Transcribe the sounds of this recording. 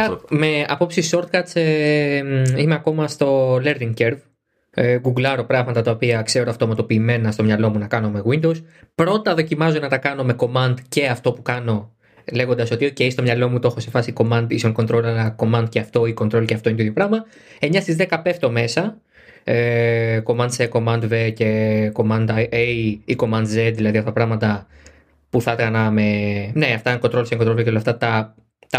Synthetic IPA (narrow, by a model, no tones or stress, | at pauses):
meɐpo̞psiso̞ɾt̪kɐt̪t͡se | imeɐko̞mɐst̪o̞le̞ɾðiŋceɾv | ɡuɡlɐɾo̞pɾɐɣmɐt̪ɐt̪ɐopiɐkse̞ɾoɐft̪o̞mɐt̪o̞piːme̞nɐst̪omɲɐlo̞munɐkɐno̞me̞ɣwind̪owspɾo̞t̪ɐðo̞cimɐzonɐt̪ɐkɐno̞me̞ko̞mɐnd̪ce̞ɐft̪o̞pukɐno̞ | le̞ɣo̞nd̪ɐso̞t̪io̞ceist̪o̞mɲɐlo̞mut̪oo̞xo̞sefɐsiko̞mɐnd̪isoŋko̞nt̪ɾo̞lɐlɐko̞mɐnd̪̚ceɐft̪o̞ikont̪ɾo̞lceɐft̪o̞int̪oiðjo̞pɾɐɣmɐ | e̞ɲɐst̪izðekɐpe̞ft̪o̞me̞sɐ | ko̞mɐnd̪seko̞mɐnd̪vece̞ko̞mɐnd̪ɐʔejiko̞mɐnd̪zet̪ðilɐðiɐft̪ɐpɾɐɣmɐt̪ɐ | puθɐt̪ɣɐnɐme̞ne̞ɐft̪ɐŋkot̪ɾolseŋkot̪ɾolveeolɐft̪ɐt̪ɐ | t̪ɐ